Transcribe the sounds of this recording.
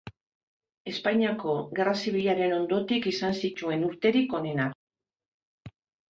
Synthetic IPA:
e̞spajɲiako̞ɣe̞rasiβ̞iʎaɾe̞no̞nd̪o̞t̪ikisansit̪ue̞nuɾt̪e̞ɾiko̞ne̞na

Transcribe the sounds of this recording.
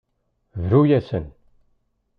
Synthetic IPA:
vɾujæsə̰n

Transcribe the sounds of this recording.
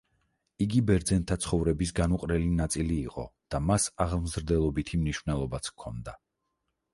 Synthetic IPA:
iɡibɛɾd̪zɛnt̪ʰat̪sʰχɔvɾɛbis̬ɡanuqʼɾɛlinat̪sʼiliːqʼɔ̰d̪̥amasaʁmzɾd̪ɛlˠɔbit̪ʰimniʃvnɛlˠɔbat̪sʰkʰːɔnd̪a

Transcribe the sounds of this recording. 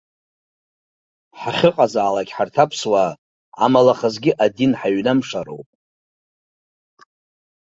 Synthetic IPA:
ħaχʲɨqʼazaːlakʲħartʰapʰswa | a̰malaχəzɡʲɪʔadinħaɥnamʂaɾo̰wpʼ

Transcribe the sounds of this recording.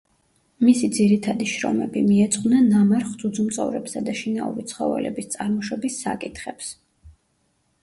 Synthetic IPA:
misid̪ziɾit̪ʰad̪iʃɾɔ̰mɛbimiɛt̪sʼqʼnɛnːamaɾχd̪zud̪zumt̪sʼɔ̰vɾɛpsad̪aʃinaṵɾit̪sʰχɔvɛ̰lɛ̰bist̪sʼaɾmɔʃɔbisːa̰kʼit̪ʰχɛps

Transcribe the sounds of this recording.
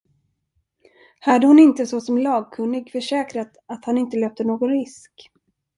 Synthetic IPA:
had̪əhʊnɪnt̪əsɔsɔmlɑːɡ̚kʰɵnːɪɡfœʂɛːkɾat̪at̪hanɪnt̪əløːp̚t̪ənoːɡɔnɾɪsk

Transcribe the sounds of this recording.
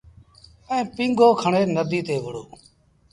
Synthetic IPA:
əẽːpĩŋɡʱoːkʰəɳeːnəd̪ʱiːt̪eːʋʊɽo̰ː

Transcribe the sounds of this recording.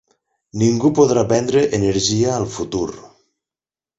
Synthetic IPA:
niŋɡupoðɾapɛnd̪ɾeʔeneɾʒiaːlˠfut̪uɾ

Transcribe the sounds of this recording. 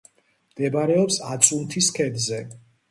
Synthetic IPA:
md̪̥ɛbaɾɛɔpsat̪sʼunt̪ʰiskʰɛd̪zɛ

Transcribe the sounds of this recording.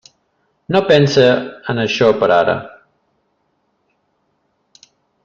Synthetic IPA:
nopɛnsəənəʃɔpəɾaɾə̰

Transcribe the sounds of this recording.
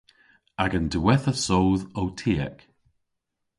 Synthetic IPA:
aɡanduwɛθəsowðowtʰiːɛ̰k

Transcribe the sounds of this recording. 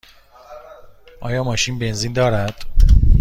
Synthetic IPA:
ʔɒːjɒːmɒːʃinbe̞nziːnd̪ɒːɾæd̪̥

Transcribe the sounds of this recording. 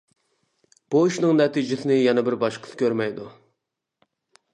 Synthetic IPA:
b̥uiʃnɨŋnɛt̪ʰid͡ʒɪsɪnɪjɛnɛbɪɾbɑʃqʰə̥sɨ̥kʲʰøɾmɛjd̪u

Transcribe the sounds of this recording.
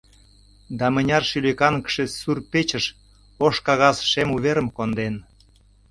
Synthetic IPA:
d̪ɑmə̆nʲɑrʃylʲekɑnkʃesurpet͡ɕəʃ | oʃkɑɣɑsʃemuβeɾəmkond̪en

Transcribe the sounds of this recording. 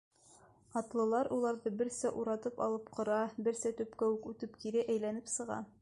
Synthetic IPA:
ɑt̪lˠɤ̆lˠɑɾulˠɑɾðɤbɘ̆ɾsæʔuɾɑt̪ɤpɑ̰lˠɤpqŏɾɑbɘ̆ɾsæt̪ʉpkæʉkʉt̪ɘpkiɾɘʔæjlænɘpsɤ̆ʁɑ̰

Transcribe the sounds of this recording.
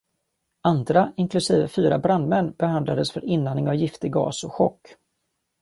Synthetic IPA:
and̪ɾaɪnkʰlɵsiːvəfyːɾabɾand̪mɛnːbɛhand̪lad̪əsfœɾɪnːanɪŋavjɪft̪əɡɑ̰ːsɔɧɔkː

